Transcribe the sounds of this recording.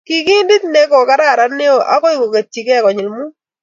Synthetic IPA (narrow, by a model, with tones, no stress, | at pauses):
ki˨ki˦ndi˦t̪ne˦ko˨ka˦ɾa˦˨ɾa˨˦ne˦o˦ʔa̰˦kɔ˦i˦ko˨ke˨t͡ʃːi˨kɛ˦˨kɔ˨ɲɪ˨lmu˦